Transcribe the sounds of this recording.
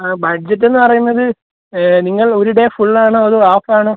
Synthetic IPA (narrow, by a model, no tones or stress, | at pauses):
bɐɖ̚d͡ʑɐt̬ːe̞nːɨpɐrɐjunːɐðɨ | niŋːɐɭo̞ɾuɽefuɭːaːɳoːɐðɨaːfaːɳoː